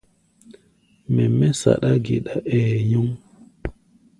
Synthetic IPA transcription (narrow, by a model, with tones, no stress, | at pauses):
mɛ˨mɛ˦sa̰˨ɗa˦ɡe˨ɗa˨ʔɛː˨ju˦ŋ